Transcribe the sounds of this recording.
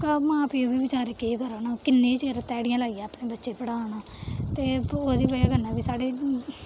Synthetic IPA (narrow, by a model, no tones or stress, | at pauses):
kəmãːpiːõːbiːbɪt͡ʃaːɾeːkeːkəɾoːnaːkɪnːeːt͡ʃeːɾt̪ɛːɽɪjãːlaːijãːəpɽneːbətːʃeːpəɽaːnaːt̪eːoːd̪iːbəaːɡənãːbiːsaːɽeː